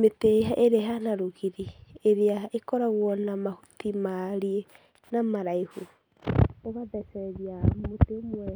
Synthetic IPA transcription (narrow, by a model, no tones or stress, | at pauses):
meteɦaʔeɾeɦanaɾoɣiɾieɾeaekɔɾaɣwɔnamahutimaɾie | namaɾaihu | oβaðɛsɛɾiamotemuɛɾ